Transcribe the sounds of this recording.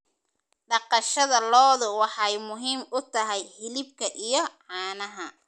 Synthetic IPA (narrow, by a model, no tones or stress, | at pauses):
ɖɑqɑʃɐðɐlɔːðʊwɑħɑjmʊɦiːmʊt̪ʰɐɦɛjhɪlɪb̚kʰɐʔijɞʕɑːnɐɦɐ